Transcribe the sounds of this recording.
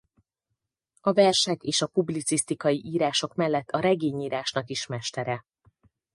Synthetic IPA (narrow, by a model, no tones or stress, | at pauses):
ɒvɛrʃɛkeːʃɒpublit̪sist̪ikɒjiʔiːɾaːʃo̞kmɛlːɛt̪ʰːɒɾɛɡeːɲiːɾaːʃnɒkiʃmɛʃt̪ɛɾɛ